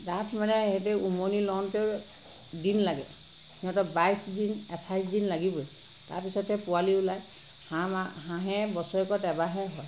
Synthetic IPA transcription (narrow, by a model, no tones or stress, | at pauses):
datʰmanɛɦɛt̬ɛumonilɔnpeɹ | dinlaɡɛ | hiɔtɔbajsdinɛtʰajsdinlaɡibɔj | ta̰ɹpisɔthɛpʊaliulaj | haɦãɦɛbɔsɔɛkɔtɛbaɦɛɦɔj